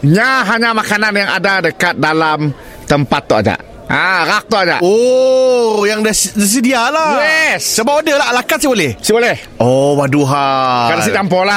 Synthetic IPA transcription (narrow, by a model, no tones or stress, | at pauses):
ɲaɦaɲamakananjaŋa̰dadəkat̪̚dalam | t̪əmpat̪ːɔʔad͡ʒa̰ʔ | əɾak̚t̪ɔʔad͡ʒa̰ʔo | jaŋdəsdəs̬idialajɛsːəbap̚odəlaalakat̪sibolɛhsibolɛh | owaduɦakadas̬id͡ʒampɔla